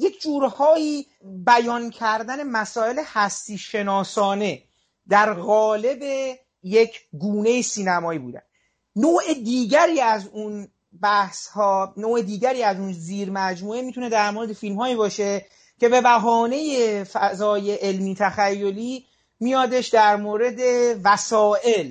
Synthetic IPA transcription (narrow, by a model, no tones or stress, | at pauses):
je̞kʰd͡ʒuːɾhɒːjiː | bæjɒːncʰæɾd̪æne̞mæsɒːe̞lehæst̪iːʃe̞nɒːsɒːne̞ | d̪æɾɣɒːle̞be | je̞cʰɡuːne̞jisiːnæmɒːiːbuːd̪æ̰nd̪ | noːʔed̪iːɟæɾiːæzun | bæhshɒnoːed̪iːɟæɾiːæzunziːɾmæd͡ʒmuːemit̪ʰune̞d̪æɾmoɾe̞d̪e̞filmhɒːiːbɒːʃe̞ | cʰe̞be̞bæɦɒːne̞jefæzɒːjeʔelmiːt̪ʰæxæjːoliː | mijɒːd̪eʃd̪æɾmoːɾe̞d̪e̞væsɒːʔe̞l